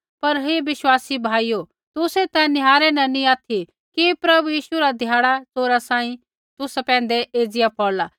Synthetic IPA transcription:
pɐɾɦeʋɪʃwaːsibʱaːiːjo | t̪ʊset̪ɛ̃nɪɦaːɾɛnɛnĩaːt̪ʰi | kipɾɐbujiːʃuɾad̪ʱjaːɽ̃at͡soːɾasãːĩ | t̪ʊspɛ̃ːn̆d̪eʔeːd͡zɪjapʰɔːɾlaː

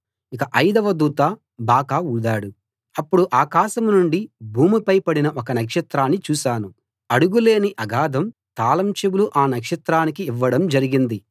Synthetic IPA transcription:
ikɐʔɐjd̪ɐʋɐd̪uːt̪aː | baːkaːud̪aːɽu | ɐpːuɽuʔaːkaːʃɐmnuɳɖibʱuːmipɐjpɐɽinɐʔɔkɐnɐkʂɐt̪ɾaːnːit͡ʃuːʃaːnu | ɐɽuɡule̞ːniʔɐɡaːd̪ʱɐmt̪aːlɐmt͡ʃebuluʔaːnɐkʂɐt̪ɾaːnikiːʋːɐɽɐmd͡ʒɐɾiɡind̪i

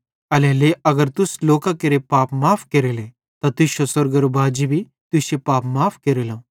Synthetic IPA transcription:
ɐleleɐɡəɾt̪ʊsloːkakɐɾepaːpmaːpʰkeɾele | t̪at̪ʊʃosɐɾɡɐɾobʱaːd͡ʒibʱi | t̪ʊʃepaːpmaːpʰkeːɾelõː

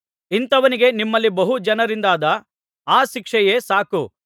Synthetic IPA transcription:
int̪ɐʋɐniɡe̞nimːɐlːibɐɦud͡ʒɐnɐɾind̪aːd̪ɐ | aːʃikʂɛje̞ːsaːku

